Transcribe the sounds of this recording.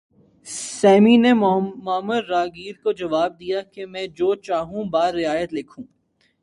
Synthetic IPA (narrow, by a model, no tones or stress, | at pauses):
sɛːminemʊəmːəd̪ɾaːɡiːɾkod͡ʒɐʋaːb̚d̪ijakemɛ̃ːd͡ʒoːt͡ʃaːɦũbaːɾːɪaːjət̪lɪkʰũː